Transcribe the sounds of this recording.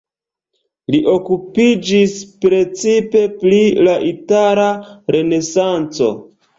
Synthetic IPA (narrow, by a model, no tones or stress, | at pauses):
liʔo̞kupid͡ʒispɾe̞t͡sipe̞plilaʔitaɾaɾe̞ne̞sant͡so̞̰